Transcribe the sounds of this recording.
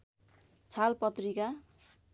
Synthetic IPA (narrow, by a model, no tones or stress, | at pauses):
t͡sʰalpʌt̪rika